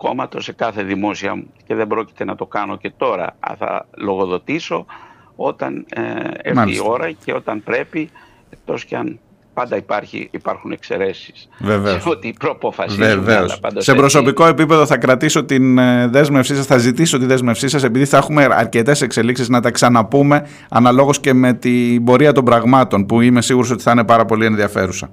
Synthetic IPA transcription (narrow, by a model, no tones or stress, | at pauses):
ko̞̰mɐt̪o̞se̞kɐθe̞ðimo̞siɐ̰muceðembɾo̞ci̥t̪e̞nɐt̪o̞kɐno̞ce̞t̪o̞ɾɐ̰ɐ̰θɐ̰lo̞ɣo̞ðo̞t̪iso̞o̞t̪ɐ̰nemaio̞ɾɐceo̞t̪ɐnpɾe̞pi | ek̚t̪o̞scɐn | pɐnd̪ɐipɐɾçḭipɐɾxune̞kse̞̰ɾe̞si̥sve̞ve̞osot̪ipɾopofɐseveolɐ̰pɐ̰nd̪ɐse̞bɾo̞so̞piko̞e̞pipe̞ðo̞θɐkɾɐt̪iso̞t̪inðe̞zme̞fsisɐsθɐzit̪iso̞t̪inðe̞zme̞fsisɐse̞piðiθɐexume̞ɐ̰ɾce̞t̪e̞se̞kseliksiznɐt̪ɐksɐnɐpume̞ | ɐnɐlo̞ɣo̞sce̞me̞t̪ibo̞ɾiɐt̪o̞mbɾɐɣmɐt̪o̞npuime̞siɣuɾo̞so̞t̪i̥θɐine̞pɐɾɐpo̞lie̞nðiɐfe̞ɾusɐ̰